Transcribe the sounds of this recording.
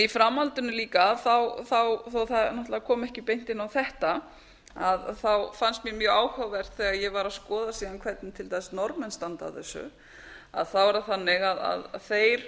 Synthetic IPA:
ifɾamalt̪ʏnʏliːkaθawθawθoθanɔht̪laakʰɔːmɛhcɪpejn̥t̪ɪnːawθɛht̪a | aðθawfanst̪mjɛmjœːɣaːwhœwvɛr̥t̪θɛːɣaðjɛɣvaɾaðskɔːðasiːðankʰvɛt̪nɪt̪ʰɪlt̪ɛsnɔɾmɛnst̪ant̪a̰θɛsːʏ̰ | a̰ðθawɛɾaθanːɪɣaða̰ðθeːjɾ̥

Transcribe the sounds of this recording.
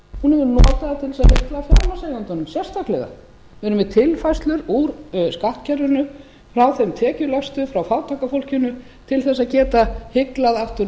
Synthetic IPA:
hunɛvʏɾnɔːt̪aðat̪ʰɪlɛsðhɪklaðfjaɾmasejðant̪anʏmsjɛ̥st̪ahklɪɣa̰ | vɛɾʏmvɛt̪ʰɪlfajst̪lʏɾuɾskaht̪cʰɛɾvʏnʏ | fɾawθɛmt̪ʰɛːcʏlast̪ʏfɾawfawt̪ʰakafowl̥cʏnʏ | t̪ʰɪlθɛsːaðcɛːt̪ahɪklaðaft̪ʏɾ

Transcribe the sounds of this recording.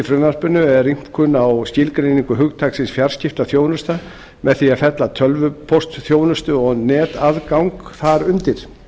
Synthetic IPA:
ɪfɾʏnaspʏnːʏɛɾːim̥kʰʏnːawscɪlkɾejniŋkʏɦʏɣt̪ʰaksɪnsfjar̥scɪft̪aθjoːwnʏst̪a | mɛðθiafɛt̪lat̪ʰœlvʏpʰɔst̪θjoːwnʏst̪ʏɔɣnɛːt̪aðkawŋkθaɾʏnt̪ɪɾ̥

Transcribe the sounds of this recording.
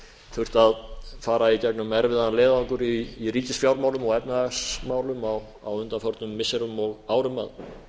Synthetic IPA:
θʏr̥t̪aðfaːɾaicɛknʏmɛɾvɪðanlɛːðauŋkʏɾiːɾiːcɪsfjawɾmaːwlʏmɔɣɛpnaðasmaːwlʏmaw | a̰wʏnt̪anfɔɾt̪nʏmːɪsɛɾʏmːɔlaːwɾʏma̰ð

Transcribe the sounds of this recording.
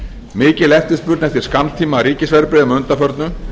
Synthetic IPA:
mɪːcɪlɛft̪ɪspʏɾt̪nɛft̪ɪɾ̥skamt̪ʰiːmaɾiːcɪsvɛɾpɾɪðʏmʏnt̪afœɾt̪nʏ

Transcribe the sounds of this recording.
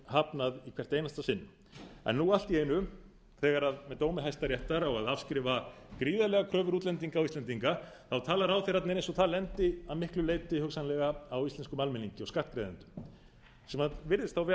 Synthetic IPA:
hapnaðikʰɛr̥t̪ejnast̪asɪnːʏm | ɛ̰nːuɣal̥t̪iejnʏ | θɛːɣaɾaðmɛt̪owmɪɦajst̪aɾjɛht̪aɾɔɣaðafskɾɪːvakɾiːðalɛɣakʰɾœːvʏɾuːt̪lɛnt̪̬iŋkawist̪ɛnt̪̬iŋka | θawt̪ʰaːlaɾawθɪɾat̪nɪɾẽjnsɔt̪ʰaːlɛnt̪ɪaðmɪhklʏlejt̪ɪhʏksanlɛɣaawist̪ɛnskʏmalmɪniɲcɪɔskat̪kɾejðɪnt̪ʏ̥m | sɛmaðvɪɾðɪst̪θawvɛ

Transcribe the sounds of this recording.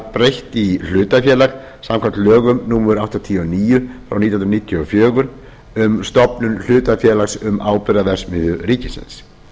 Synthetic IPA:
pɾejht̪il̥ʏːt̪afjɛːlak | samkʰvant̪lœːɣʏmnuːmʏɾawht̪ɔt̪ʰiːɔniːjʏfɾʔa̰wnit̪jnɾniːt̪ʰjʏɔfjœːɣʏɾ | ʏmst̪ɔpnʏnl̥ʏːt̪afjɛːlaksʏmaːwpɪɾaðɛsmɪðʏriːcɪsɪ̰ns

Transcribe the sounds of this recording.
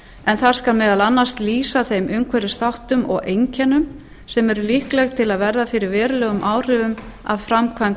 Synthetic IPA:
ɛnθaɾ̥skalmɛːðalanːast̪liːsaθejmʏmkʰvɛɾɪsθawht̪ʏmɔ̰ɣejɲcɛnʏm | sɛmɛɾʏlihklɛɣt̪ʰɪlaðvɛɾðafɪɾɪɾvɛːɾʏlɛːɣʏmʔaːwr̥ɪvʏm | a̰vfɾamkʰvamt̪

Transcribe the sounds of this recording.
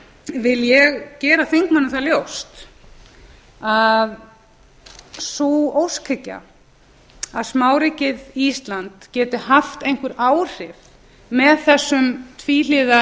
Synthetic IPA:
vɪljɛɣcɛːɾaθeŋkmanːɪθaljowst̪ | að | soowskʰɛcːa̰ | aðsmaːwɾicɪðist̪lant̪cɛːt̪ɪhaft̪ejŋ̥kʏɾaːwr̥ɪv | mɛðθɛsːʏmt̪ʰviːliːða

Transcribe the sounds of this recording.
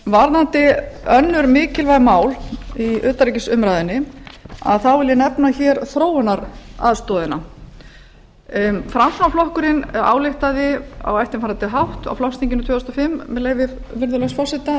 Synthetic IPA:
vaɾðant̪ɪœnːʏɾmɪːcɪlvajɣmaːwliʏːt̪aɾicɪsʏmɾaːjðɪnːɪa̰ðθawvɪljɪnɛpnaçɛːɾθɾoːwʏnaɾa̰ðst̪ɔːðɪna | fɾamsawflɔhkʏɾɪna̰ːwlɪht̪aðɪa̰wɛjft̪ɪnfaɾant̪ɪɦawht̪a̰wflɔwst̪iɲcɪnʏt̪ʰœːʏst̪ɔfɪmːɛleːjvɪɾ | vɪɾðʏlɛɣsfɔsɛt̪a

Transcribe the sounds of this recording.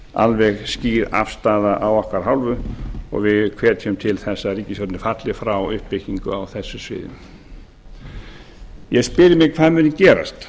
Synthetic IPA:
a̰lvɛɣsciːɾa̰fst̪aːðaʔawɔhkaɾ̥ɦawlvʏɔ̰ɣvɪðkʰvɛːɾt̪ʰɛmt̪ʰɪlθɛsːaɾiːcɪsjɔɾt̪nɪfat̪lɪfɾawʏhpɪciŋkʏ̰awθɛsːʏsvɪ̰ːðɪ̰m | jɛɣspɪːɾɪmɪɣkʰvaːðmʏnɪcɛːɾa̰st̪

